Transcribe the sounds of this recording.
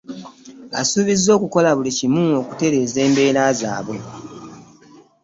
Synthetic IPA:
a̰suβizo̞ːkuko̞laβulicimuo̞ku̥te̞ɾe̞ːze̞ːmbe̞ːɾaːza̰ːβwe̞

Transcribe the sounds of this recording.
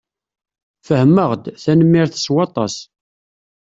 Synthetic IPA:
fəhmːəʁd̪θænəmːiɾθəswɑt̪ˤɑ̰s

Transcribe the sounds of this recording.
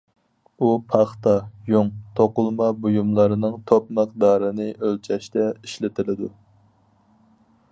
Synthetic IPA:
upʰɑχt̪ɑjoŋt̪ʰoqʊlˠmɑbujumlˠɑɾɨnɨŋt̪ʰopməq̚d̪ɑːɾɨnɨʔølt͡ʃʰɛʃt̪ʰɛiʃlɪt̪ʰɪlɪd̪u

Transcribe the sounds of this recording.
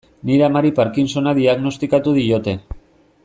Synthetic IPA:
niɾeamaɾipaɾkinso̞naðiaɣno̞st̪ikat̪uð̞ijo̞t̪e̞

